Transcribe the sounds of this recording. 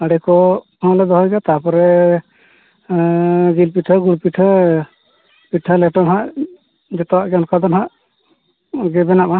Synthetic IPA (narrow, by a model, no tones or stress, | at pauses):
aɽɛkɔ | ɔlɛd̪ɔɦɔjɡat̪apɔɾɛ | ɡilpiʈʰəɡuɽpiʈʰə | piʈʰalɛʈɔnɦaʔ | d͡ʒɛt̪ɔwaʔɡɔnkad̪ɔnɦaʔ | ɡɛbɛnaʔa